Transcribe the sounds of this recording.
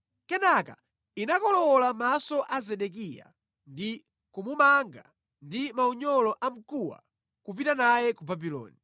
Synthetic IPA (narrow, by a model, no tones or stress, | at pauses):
kɛnaka̰ | inakɔlɔlamasɔʔazɛɗɛk̬ija̰ | ndi | kumumaŋɡa̰ | ndimauɲɔlɔʔam̩kuwa̰ | kup̬itanajɛkubabilɔ̰ːni